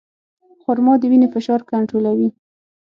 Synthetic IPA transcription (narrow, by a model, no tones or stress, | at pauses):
xʊɾmɑd̪əwinefɪʃɑɾkaɳʈɾolawi